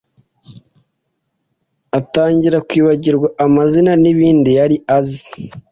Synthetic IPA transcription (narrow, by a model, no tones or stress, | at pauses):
ataːɲɟiɾakwiːβaɟiɾɡwaʔamazinaniβiːndijaɾiazi